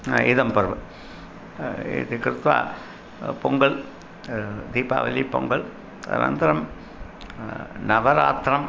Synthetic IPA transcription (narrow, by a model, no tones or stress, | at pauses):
ɪðɐmpɐɾʋɯ | t̪ikɪɾt̪ːʋa̰ː | pɔŋɡɐɭ | d̪iːpa̰ːʋɐlːipɔŋɡɐɭ | ɐ̰na̰ːnd̪ɐɾɐm | nɐʋɐɾa̰ːt̪ɾɐm